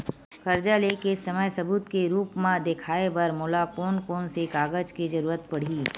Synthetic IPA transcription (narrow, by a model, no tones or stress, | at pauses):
xɐɾd͡ʒalekesɐməjsɐbuːt̪keɾuːpmãd̪ekʰaːebɐɾmoːlakoːnkoːnsekaːɡəd͡ʒked͡ʒɐɾuːɾət̪̚pɐɽ̤iː